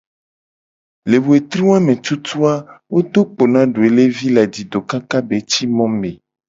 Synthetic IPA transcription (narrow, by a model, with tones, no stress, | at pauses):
le˨wo˨e˨t̪ɾi˦wa˦mẽ˨t͡ʃu˦t̪u˦a˦wo˦t̪o˦k͡po˨nã˦ɖu˨e˨le˦vi˦la˨di˨d̪o˨ka˦ka˦be˨t͡ɕi˦mɔ̃˦mẽ˨